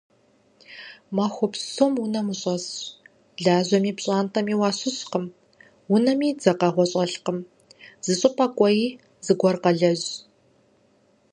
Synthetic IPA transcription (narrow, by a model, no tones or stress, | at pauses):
maxʷɔpsomwʊnɐmɨɕʼɐs | ɮaːʑɐmiːpɕʼaːntʰɐmiːwaːɕɪɕqəm | wʊnɐmiːd͡zɐqɐʁʷɔɕʼɐɬqəm | z̥ɨɕʼɪpʼʰɐkʷʼɔjiː | zɨɡʷɔrqɐɮɐʑ